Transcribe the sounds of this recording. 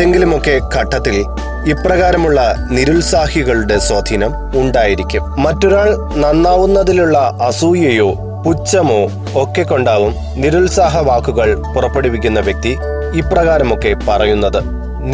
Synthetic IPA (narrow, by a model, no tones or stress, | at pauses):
eŋɡilumo̞kːe̞kɐʈːɐt̪ːil | iprɐɣaːɾɐmuɭːɐniɾuɭsaːhiɣɐɭuɽe̞swoːd̪ʱiːnɐm | uɳɖaːjiɾikʲːummɐtːoɾaːɭ | nɐnːaːʋunːɐðiluɭːɐɐsuːjɐjo̞ː | put͡ɕːɐmo̞ː | okːe̞kːo̞ɳɖaːʋum | niɾulsaːɦɐʋaːkːuɣɐɭpurɐpːe̞ɽupːikʲːunːɐʋjek̚t̪i | iprɐɣaːɾɐmo̞kːe̞pɐrɐjunːɐðɨ